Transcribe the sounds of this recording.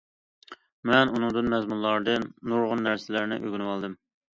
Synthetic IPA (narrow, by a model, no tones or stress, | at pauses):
mɛnunɨŋd̪ɨnmɛzmunlˠɑɾd̪ɨnːuɾʁʊnːæɾsɪlæɾnɪ̰ʔø̰ɡʲynɪwɑlˠd̪ɨm